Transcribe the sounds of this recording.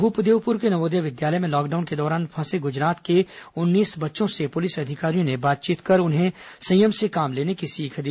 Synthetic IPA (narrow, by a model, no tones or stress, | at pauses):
ɦʊːpd̪eːwpʊɾkenɐmoːd̪jaʋɪd̪jaːləjmẽlɔːkɖaːʊnked̪ɔːɾaːnpʰɐ̃ːseɡʊd͡ʒɾaːt̪keʊnːiːsbɐtːʃõsepʊlɪsɐd̪ʱɪkaːɾijõnebaːt̪̚t͡ʃiːt̪kɐɾʊnɦẽsɐ̃jəmsekaːmleːnekisiːkʰd̪i